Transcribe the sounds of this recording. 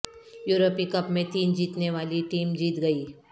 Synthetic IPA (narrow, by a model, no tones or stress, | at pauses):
juːɾopikɐpmẽt̪iːnd͡ʒiːt̪neʋaːliʈiːmd͡ʒiːt̪ɡɐiː